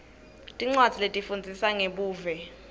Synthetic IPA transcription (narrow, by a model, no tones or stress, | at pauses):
tʼiŋ͡ǀwad̥d͡z̥ʱiletʼifund͡zʱisaŋeɓuːvɛ